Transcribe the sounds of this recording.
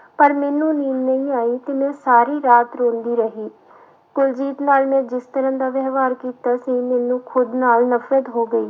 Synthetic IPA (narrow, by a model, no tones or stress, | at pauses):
pəɾmɛːnũːniːmnəĩːaːiːt̪eːmɛ̃ːsaːɾiːɾaːt̪ɾõːnd̪iːɾəɦiː | ɡʊld͡ʒiːt̪naːlmɛ̃ːd͡ʒɪst̪əɾə̃ːd̪aːʋɛːʋaːɾkiːt̪aːsĩːmɛ̃ːnũːkʰʊd̪naːlnəfɾəd̪ɦoːɡəiː